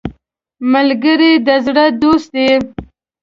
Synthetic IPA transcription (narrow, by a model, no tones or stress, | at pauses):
malɡəɾid̪əzɽəd̪ost̪̚d̪e